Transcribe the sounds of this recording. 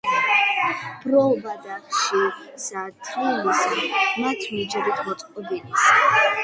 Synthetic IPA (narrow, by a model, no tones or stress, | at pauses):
b̥ɾɔvad̪aχʃisat̪ʰilisimat̪ʰmid͡ʒɛɾit̪ʰmɔt̪sʼqʼɔbinis